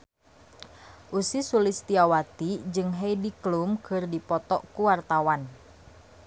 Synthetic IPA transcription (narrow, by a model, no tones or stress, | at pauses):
ʔusisulɪst̪iawat̪id͡ʒɨŋɦeidiklumkʰɨrdipɔt̪ɔʔkuwart̪awan